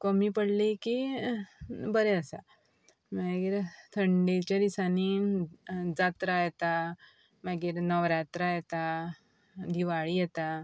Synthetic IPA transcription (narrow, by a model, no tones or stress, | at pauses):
kəmipəɽliki | bəɾɛəsa̰ | maɡiːɾt̪ʰəɳɖet͡ɕad̪isani | d͡zat̪ɾajɛt̪a | maɡiːɾnəʋɾat̪ɾajɛt̪a | d̪iʋaɭijɛt̪a